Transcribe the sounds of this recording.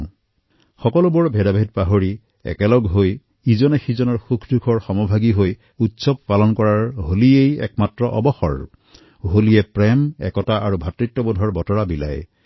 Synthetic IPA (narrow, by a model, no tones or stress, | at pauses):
xɔkɔlubʊɹbʱɛdabʱedpaɦoɹi | ɛ̰kɛlɔɡɦoj | izɔnɛxizɔnɔɹxukʰdukʰɔɹxɔmɔbʱaɡiɦoj | utsɔb̚palɔnkɔɹaɹɦoliejɛ̰kmatɹɔʔɔ̰bɔxɔ̰ɹ | ɦolijɛpɹɛmɛ̰kɔtaʔaɹubʱatɹitːɔbɔdʱɔɹbɔtɔɹabila̰j